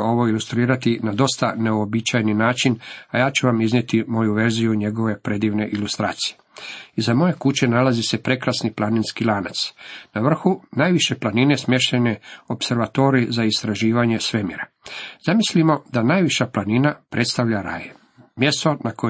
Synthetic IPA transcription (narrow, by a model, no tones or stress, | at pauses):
o̞ʋo̞ilˠust̪ɾiːɾat̪inad̪o̞st̪aneobit͡ʃajninaːt͡ʃinajaːt͡ʃuʋamiznjet̪imo̞juʋe̞ɾzijuɲe̞ɡo̞ʋe̞pɾe̞d̪iːʋne̞ʔilust̪ɾa̰ːt̪sijeizamo̞je̞kut͡ɕe̞nalazise̞pɾe̞kɾasniplˠaninskilˠaːnat̪snaʋr̩xunajʋiʃe̞planine̞smje̞ʃt̪eneo̞pse̞ɾʋat̪o̞ːɾizaist̪ɾaʒiːʋaɲe̞sʋe̞mḭɾa | z̥amislimo̞d̪anaːjʋiʃaplaninapɾʔe̞t̪st̪aʋʎaɾa̰ːje | mje̞st̪o̞nako